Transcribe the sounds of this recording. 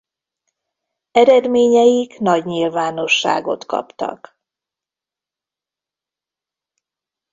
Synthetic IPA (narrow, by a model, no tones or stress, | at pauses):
ɛɾɛd̪meːɲɛjikn̪ɒɟɲilvaːno̞ʃːa̰ːɡo̞t̪kɒ̰pt̪ɒ̰k